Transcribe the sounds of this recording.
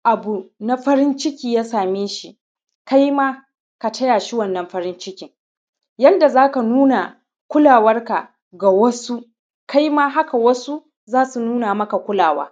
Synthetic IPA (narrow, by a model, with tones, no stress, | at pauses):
ʔa˨bu˨na˦ɸɐ˦ɾɪ˦nt͡ʃɪ˦kʲiː˨jaː˦saː˨meː˦ʃi˨ | ka˦jmaː˦ | ka˨tʰɐ˦jaː˨ʃi˦wɐ˦˨nːɐ˨mɸɐ˦ɾɪ˦nt͡ʃɪ˦kʲɪ˨ŋ | jɐ˦nda˨zaː˦ka˨nuː˦na˨ | kʷʊ˦laː˨wɐ˦rka˨ | ɡa˨wɐ˦su˦ | kʰa˦jmaː˦ɦa˦ka˨wɐ˦su˦ | zaː˦su˨nuː˦na˨mɐ˦ka˨kʷʊ˦laː˨wa̰ː˦